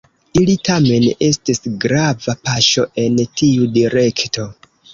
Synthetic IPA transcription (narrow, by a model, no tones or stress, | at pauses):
ilitʰame̞ne̞stisɡɾavapaʃo̞ʔe̞ntʰiudiɾe̞kto̞